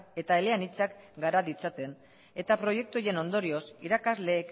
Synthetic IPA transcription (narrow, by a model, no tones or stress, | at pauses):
e̞t̪aele̞anit͡sakɡaɾaðit͡sat̪e̞n | e̞t̪apɾo̞je̞k̚t̪uoje̞no̞nd̪o̞ɾio̞siɾakazle̞ːk